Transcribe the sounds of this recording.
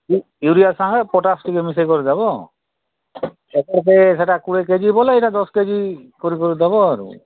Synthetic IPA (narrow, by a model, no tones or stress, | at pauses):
i | uɾiasaŋɡepɔʈasʈikemisejkɔɾid̪abɔ | ekɔɾkes̬eʈakuɽek̬ed͡ʒibɔleiʈad̪ɔsked͡ʒikɔɾikɔɾid̪aβɔaɾṵ